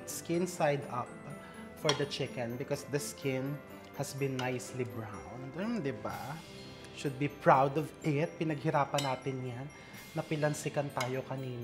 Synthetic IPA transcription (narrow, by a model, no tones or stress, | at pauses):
t̪skɪ̃nsajd̪ɐp̚ | fɔɹd̪ɐt͡ʃɪkɛ̃nbɪkɔsd̪ɐskʰɪ̃n | hɐsbɪ̃nːajslibɹãw̃nd̪ɛmd̪ɪba | ʃʊd̪̚bipɹawd̪ɔvʔɪt̪̚pɪnɐɡ̚hɪɾaːpɐnaːt̪ɪnjanː | ɐpɪlɐnsɪkɐnt̪aːjokɐniːn